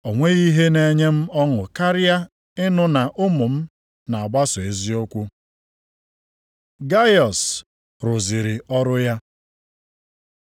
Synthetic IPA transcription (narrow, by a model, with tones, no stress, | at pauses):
o˨ŋʷe˦ɣi˦ɦe˦ne˨ɲe˦m̩˦ɔ˦ŋʊ˨ka˦ɾɪ˦a˦ | ɪ˦nʊ˦na˨ʔʊ˦mʊ˨m̩˦ | na˨a˨ɡ͡ba˦sɔ˨e˨zi˦o˦kʷu˦ | ɡa˦jɔ˨s | ɾʊ˨zi˨ɾɪ˨ɔ˦ɾʊ˦ja˦